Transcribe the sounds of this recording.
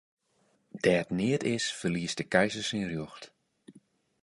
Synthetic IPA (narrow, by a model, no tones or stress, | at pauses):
d̥ɛːətnɪətɪsfərliəsd̥əkɛjzəsinrjuxt